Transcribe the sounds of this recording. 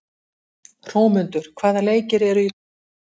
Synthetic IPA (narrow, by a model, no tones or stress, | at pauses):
r̥oːwmʏnt̪ʏɾ̥kʰvaːðaleːjcɪɾɛɾʏi